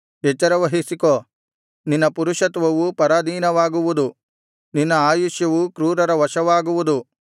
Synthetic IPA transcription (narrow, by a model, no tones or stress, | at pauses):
et͡ʃːɐɾɐʋɐɦisikoː | ninːɐpuɾuʂɐt̪ʋɐʋupɐɾaːd̪iːnɐʋaːɡuʋud̪u | ninːɐaːjuʃjɐʋukɾuːɾɐɾɐʋɐʃɐʋaːɡuʋud̪u